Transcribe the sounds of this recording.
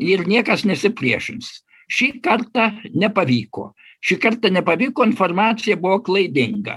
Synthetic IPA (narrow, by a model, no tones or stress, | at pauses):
ɪɾnʲiɛkɐsnʲɛsʲɪpʲlʲiɛʃʲɪns | ʃʲiːkɐrt̪ɑnʲɛpɐʋʲiːko̰ː | ʃʲiːkɐɾt̪ɐnʲɛpɐʋʲiːkoːɪnformɑːt̪sʲɪjɛbʊʋoːklˠɐɪd̪ʲɪŋɡɐ̰